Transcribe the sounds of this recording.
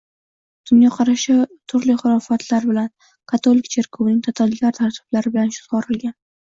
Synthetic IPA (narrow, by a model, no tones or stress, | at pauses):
d̪̥ʊnjɒqʰɑɾaʃɪt̪ʰʊɾlɪχʊɾɒfat̪ʰlaɾbɪlan | kʰat̪ʰolɪkʲt͡ʃʰe̞ɾkʰownɪŋʲt̪ʰat̪ʰalɡʲaɾt̪ʰaɾt̪ʰɪ̥b̥laɾɪbɪlanʃʊ̥t̪qɒɾɪlɡʲan